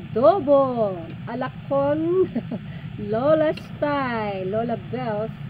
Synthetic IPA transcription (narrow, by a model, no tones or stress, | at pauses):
d̪obo | ʔɐlɐkʰːon | lolɐst̪ajlolɐbɛls